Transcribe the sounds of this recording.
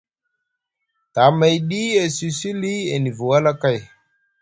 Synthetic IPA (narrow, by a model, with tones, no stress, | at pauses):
ta˨ma˨jɗi˦e˨si˨si˦li˦e˨ni˨vu˨wa˦la˦ka˦˨j